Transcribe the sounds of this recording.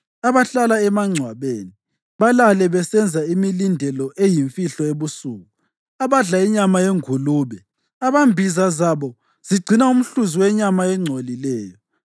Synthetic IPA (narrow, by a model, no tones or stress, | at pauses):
aβaɬalaɛmaŋ͡ǀʱwaβeni | βalalɛβɛsɛnd͡zʱaimilindʱɛlɔʔejiɱfiɬɔeβusuːɣu | aβaɮaiɲamajeŋuluːβɛ | aβambʱizazaβɔ | z̥iɡ͡ǀʱinaum̩ɬuziwɛɲamaɛŋ͡ǀʱolilɛːjɔ